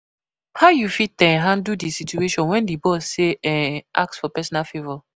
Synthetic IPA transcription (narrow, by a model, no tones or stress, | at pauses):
hawjufitɛ̃nɦãndudisitueʃɔ̃nwɛ̃ndibɔseɛ̃ʔa̰ksfɔpɛsɔnalfevɔ